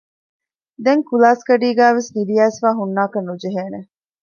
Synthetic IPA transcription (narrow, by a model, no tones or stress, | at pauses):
d̪eŋkulaːskɐɖiːɡæːʋesnid̪ijæːsfaːɦunːaːkɐnːud͡ʒeɦeːne